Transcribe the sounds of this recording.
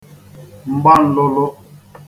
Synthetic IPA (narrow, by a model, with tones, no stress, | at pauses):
m̩˨ba˦˨n̩˦lɔ˦lɔ˦